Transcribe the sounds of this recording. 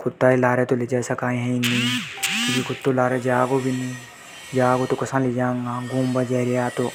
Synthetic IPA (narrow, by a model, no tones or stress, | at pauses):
kʰʊt̪ːaːilaːɾet̪oled͡ʒaːsɐkaːĩɦɛ̃inĩkɪbikʊt̪ːolaːɾed͡ʒaːɡobʱinĩ | d͡ʒaːɡot̪okɐsãːled͡ʒãːŋɡaːɡũːmbəd͡ʒɛɾjaːt̪o